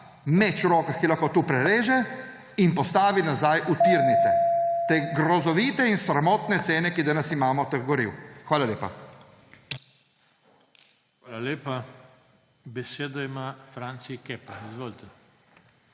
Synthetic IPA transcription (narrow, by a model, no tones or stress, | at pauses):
mɛt͡ʃuɾoːkaxkilaxkot̪uːpɾɛleːʒɛ | inpɔst̪aːʋinazajʔut̪iɾnit̪sɛt̪eːɡɾɔzɔʋiːt̪ɛinsɾamɔːt̪nɛt̪seːnɛkid̪anasimaːmɔt̪əxɡɔɾḭwxʋaːlaljeːpa̰ | xʋaːlaleːpa | bɛseːd̪ɔimafɾant̪sikeːpaizʋoːlit̪ɛ